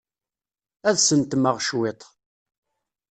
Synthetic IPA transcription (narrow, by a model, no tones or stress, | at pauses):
æðsənt̪məʁʃwet̪ˤ